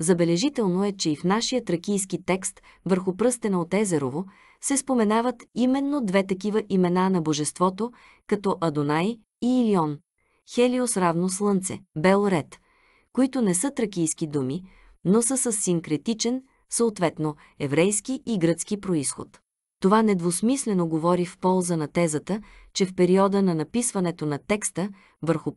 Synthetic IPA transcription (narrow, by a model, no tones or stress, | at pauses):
zɐbɛlɛʒit̪ɛlˠnoɛt͡ʃɛifnaʃijət̪ɾək̟ijskit̪ɛkst̪ | vəɾxʊpɾɤst̪ɛnɐot̪ɛzɛɾovo | sɛspomɛnavət̪imɛnːod̪vɛt̪ɐk̬ʲivəʔimɛnanɐboʒɛst̪vɔt̪o | kɐt̪ɔʔɐd̪onaj | iːliɔn | xɛliosɾavnoslˠɤnt̪sɛ̰bɛlˠɾɛt̪ | koit̪ʊnɛsɤt̪ɾəkʲijsk̟id̪umi | nosəsəsːiŋkɾɛt̪it͡ʃɛn | səot̪vɛt̪no | ɛvɾɛjskiʔiɡɾət̪sk̟ipɾoisxo̰t̪ː | ovanɛd̪vosmislɛnoɡovɔɾifpɔlˠzənɐt̪ɛzət̪ət͡ʃɛfpɛɾiɔd̪ənɐnɐpisvɐnɛt̪onɐt̪ɛkst̪ə | vəɾxʊ